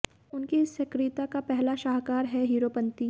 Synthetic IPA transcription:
ʊnkisːɐkɾɪt̪akapɛɦlaʃaːɦkaːɾɦɛɦiːɾopɐ̃nt̪i

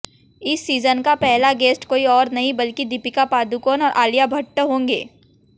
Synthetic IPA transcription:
ɪsːiːzənkapɛɦlaɡeːsʈkoːiɔːɾnɐɦĩbɐlkid̪ipɪkapaːd̪ukoːnɔːɾʔaːlijabʱɐʈːɦõːŋɡḛː

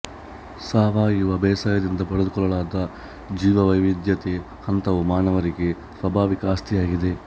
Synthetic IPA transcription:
saːʋaːjuʋɐbɛːsaːjɐd̪ind̪ɐpɐɽed̪ukɔɭɐɭaːd̪ɐ | d͡ʒiːʋɐʋɐjʋid̪jɐt̪e | hɐnt̪ɐʋumaːnɐʋɐɾiɡe̞ | sʋɐbʱaːʋikɐaːst̪ʰijaːɡid̪e̞

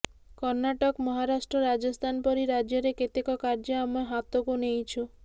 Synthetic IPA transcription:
kɔɾnaʈɔkmɔɦaɾaʃʈɾɔɾad͡ʒɔst̪ʰanpɔɾiɾad͡ʒjɔɾeket̪ekɔkaɾd͡ʒɔamɔɦat̪okunejt͡ʃʰu

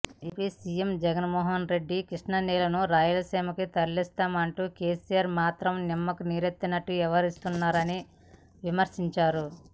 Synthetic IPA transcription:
ipisijemd͡ʒɛɡɐnmɔːɦɐnɾe̞ɖːikiʂnɐnɛːlɐnuɾaːjulɐseːmɐkit̪ɐɾlːist̪aːmɐɳʈuːke̞ːsijaɾmaːt̪ɾɐmnimːɐkuniɾet̪ːinɐʈːuɛʋɐɾist̪unːaːɾɐni | ʋimɐɾʂiɲt͡ʃaːɾu

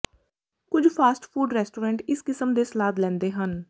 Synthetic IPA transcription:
kʊd͡ʒpʰaːsʈpʰuːɖɾɛːsʈoːɾɛ̃ːɳʈɪskɪsəmd̪eːsəlaːd̪lɛ̃ːnd̪eːɦən

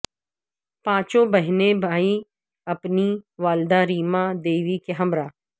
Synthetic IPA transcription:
pãːt͡ʃõbɐɦnebʱaːi | ɐpniʋaːld̪aɾiːmãd̪eːʋikeɦɐmɾaː

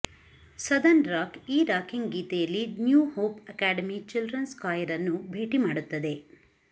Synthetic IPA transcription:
sɐd̪ɐnɾaːkiːɾaːkiŋɡɡiːt̪ɛjɐlːinjuːhoːpɐkaːɖɐmit͡ʃilɖɾɐnskaːjɐɾɐnːubʱe̞ːʈimaːɽut̪ːɐd̪e̞

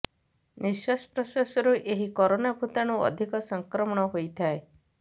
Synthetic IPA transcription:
niswasɔ̥pɾɔsasɔɾuʔeɦikɔɾonabʱut̪aɽ̃uɔ̰d̪ʱikɔsɔŋkɾɔmɔɽ̃ɔɦojt̪ʰae

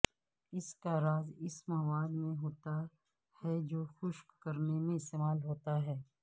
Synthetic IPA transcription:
ɪskaɾaːzɪsmɐwaːd̪mẽɦoːt̪a | hɛd͡ʒoːxʊʃkːɐɾnemẽɪst̪eːmaːlɦoːt̪aɦɛː

